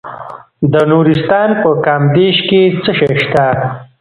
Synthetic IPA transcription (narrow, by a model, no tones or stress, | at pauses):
d̪ənuɾist̪ɑːnpəkɑːmd̪eʃket͡səʃejʃt̪a